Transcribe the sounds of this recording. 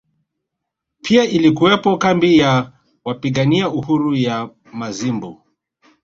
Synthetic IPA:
pʰiaʔilikuwɛpɔkambija | wapiɠaniauhuɾuja | mazimbu

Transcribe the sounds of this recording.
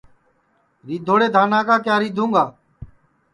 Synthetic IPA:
ɾiːd̪ʱoːɽeːd̪ʱaːnaːkaːkjaːɾiːd̪ʱũːŋɡaː

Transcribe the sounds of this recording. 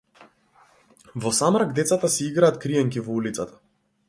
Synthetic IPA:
vɔsamɾaɡd̪ɛt̪sat̪asɛiɡɾaːt̪kɾijɛŋkʲivɔulit̪sat̪ḁ

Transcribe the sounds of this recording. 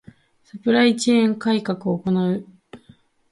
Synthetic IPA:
sɯpɯ̟ɾait͡ɕeẽŋkaikakɯ̟o̞ːko̞naɯ̟

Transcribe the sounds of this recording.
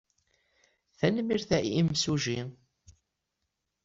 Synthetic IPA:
θænmiɾθæimsuʒi

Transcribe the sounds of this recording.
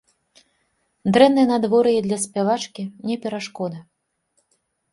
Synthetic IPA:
d̪ɾɛnːɨjɐnad̪vɔɾɨjid̪lʲɐsʲpʲavat͡ʂkʲinʲɛpʲɛɾaʂkɔd̪ɐ

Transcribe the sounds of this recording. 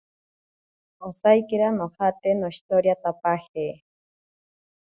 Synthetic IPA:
osajkiɾanohat̪enoiʃt̪oɾjat̪apaheː

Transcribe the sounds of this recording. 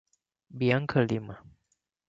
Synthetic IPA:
biaŋkʰəlima

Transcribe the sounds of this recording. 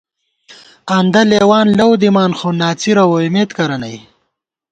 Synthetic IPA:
and̪ɐleːwaːnlɐwd̪imaːnxoːnaːt͡siɾɐwoimeːt̪kɐɾɐnɐj

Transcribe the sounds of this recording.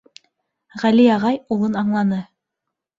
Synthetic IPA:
ʁæliɑʁɑjulˠɤnɑɴlˠɑnɤ

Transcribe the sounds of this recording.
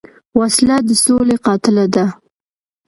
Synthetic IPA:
waslad̪əsoleqɑt̪ɪlad̪a

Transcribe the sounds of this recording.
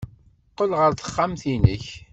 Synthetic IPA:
qːəlʁəɾθə̥χːamθinəç

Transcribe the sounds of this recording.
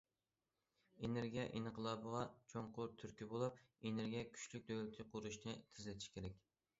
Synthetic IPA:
eneɾɡʲijɛʔinɨqəlˠɑːbəʁɑt͡ʃʰoŋqʊɾt̪ʰyɾkʲibolˠup̚eneɾɡʲijɛkʲʰy̥ʃlyk̚ʲd̪øwlɪt̪ʰɪqʰuɾuʃnɨt̪ʰɪzlɪt̪ʰi̥ʃkʲʰeɾɛk̚ʲ

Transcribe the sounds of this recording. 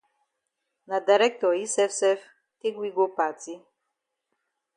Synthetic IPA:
nad̪aɾɛk̚t̪ɔisɛfsɛf | t̪iɡwiɡopat͡si

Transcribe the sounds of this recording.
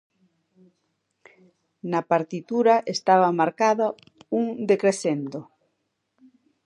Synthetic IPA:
napaɾt̪it̪uɾaʔest̪aβamaɾkaða | uŋd̪ekɾeθend̪o

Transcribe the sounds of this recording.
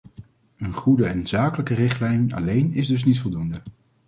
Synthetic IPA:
ənχudəɛnz̥aːkələkərɪχtlɛjnɑ̰lejnɪzdɵs̬nitfɔlˠdundə

